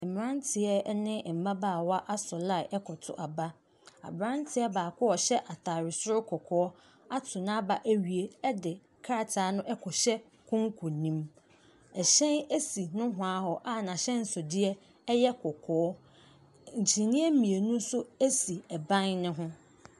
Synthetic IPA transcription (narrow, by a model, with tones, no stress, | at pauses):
ɛ˨m˨ɾã˦ntʰɪ˨ɛ˦nɪ̃˦˨m̩˨bã˦baː˦˨wa˦ʔa˦sɔ˨la˦˨ʔɛ˦kʰɔ˨tʰʊ̰˨ʔa˨ba˦ | a̰˨bɾã˦n˦tʰɪ˦ɛ˦baː˨kʰʊ˦ɔ˨ɕɛ˦ʔa˨tʰa˨ɾɪ˨sʊ˦ɾʊ˦kʰɔ˨kʰɔː˨˦ɔ˦ | a˦tʰʊ˨nã˦ba˨ʔæ˦ɥi˨e˦ɛ˦dɪ˨ | kʰa˦˨tʰaː˨˦nʊ̃˦ʔɛ˦kʰɔ˨ɕɛ˦ | kʰʊ̃˦ŋ˦kʰʊ˨nĩ˦m | ɛ˨ɕɛ̃˦næ˦si˨nʊ̃˦ɦʊ̃˨a˦ɦɔ˨ʔa˦˨nã˨ɕɛ̃˦n̩˨sʊ˨dɪ˦ɛ˦ | ɛ˦jɛ˦kʰɔ˨kʰɔː˨ɔ˦ | ɲ̩˨t͡ɕʰĩ˨nĩ˦ɛ˦mĩ˨e˨nũ˦sʊ˦æ˦si˨ɛ˨bã˦nnɪ̃˦ɦʊ̃˦